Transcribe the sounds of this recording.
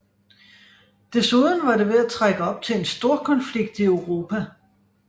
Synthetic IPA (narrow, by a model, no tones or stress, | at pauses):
d̥e̝suðˠn̩ʋɑ̈ɾe̝ʋe̝æt͡sʰʁaɡ̥əɒ̽b̥̚t͡sʰe̝ensd̥o̝ɐ̰kʰɒ̽nfliɡ̥̚d̥iøʊʁo̝ːpʰæ